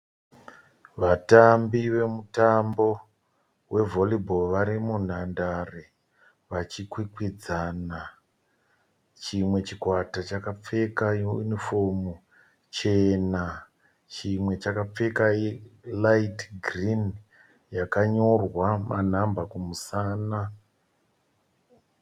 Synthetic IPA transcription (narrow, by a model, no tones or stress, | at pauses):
ʋatambiʋe̞mutambo̞ | we̞voliboʋaɾimun̤andare | ʋat͡ʃikwikwid͡zana | t͡ʃimwe̞t͡ʃikwatat͡ʃakap͡fe̞kajeṵnifo̞mu | t͡ʃe̞na | t͡ʃimwe̞t͡ʃakap͡fe̞kailaitɡrin | jakaɲo̞rwaman̤ambakumusaːna